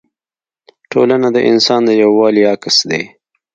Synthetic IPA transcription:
ʈʰo̰lanad̪əʔɪ̰nsɑːnd̪əjawːɑːlijɑkɪsd̪ḛ

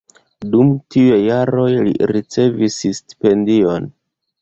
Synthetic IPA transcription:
dumtiujejaɾo̞jlḭɾit͡se̞vissti̥pe̞ndio̞n

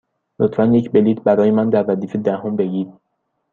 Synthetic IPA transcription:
lot̪ʰfænjecʰbe̞liːt̪ʰbæɾɒːje̞mænd̪æɾvæziːfed̪æhombe̞ɟiːd̪̥

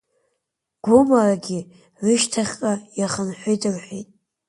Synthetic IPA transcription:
ɡ̥ʷomaraɡʲɪ | rɨʃtʰaχʲqʼajaχənħʷejtʰʼɨrħʷejtʼ

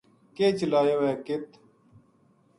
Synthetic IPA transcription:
keːt͡ʃəlaːjowɛːkɪt̪

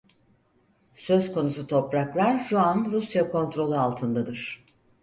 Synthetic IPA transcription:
sø̞zko̞nusut̪ʰo̞pɾaklˠaɾʒuanɾusjakʰo̞nt̪ɾo̞lˠualˠt̪ʰɯnd̪ad̪ɯɾ̥

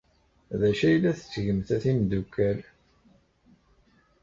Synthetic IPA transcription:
ðæʃæjəlːæθə̥t͡sːʝəmθæθimd̪ukːæɾ

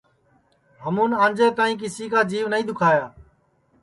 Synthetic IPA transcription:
ɦəmũːnãːnd͡ʒeːt̪aːĩːk̬ɪsiːkaːd͡ʒiːʋnəĩːɗ̪ʊkʰaːjaː

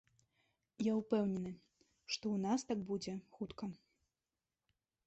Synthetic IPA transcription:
jaupɛwnʲɛnɨ | ʂt̪ɔunast̪aɡ̚bud͡zʲɛxut̪kɐ

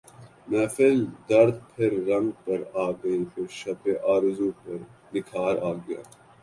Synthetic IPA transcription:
mɛ̃ːfɪld̪ɐɾd̪̚pʰɪɾːɐ̃ŋɡ̚pɐɾaːɡɐĩk̪ɪɾʃɐp̪eʔaːɾzũːpɐɾnɪkʰaːɾaːɡɐja̰ː

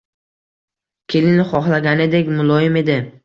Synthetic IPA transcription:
kʲʰe̞lɪnɪχɒχlˠaɡʲanɪd̪ekʲmʊlˠɒjɪme̞d̪ɪ

